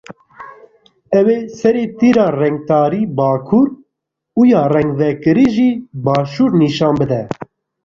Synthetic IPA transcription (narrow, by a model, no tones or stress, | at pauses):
ɛweːsɛɾeːt̪iːɾɑːrɛŋɡ̚t̪ɑːɾiːbɑːkʰuːɾ | ujɑːrɛŋɡvɛkɨɾiʒiːbɑːʃuːɾniːʃɑːnbɨd̪ɛ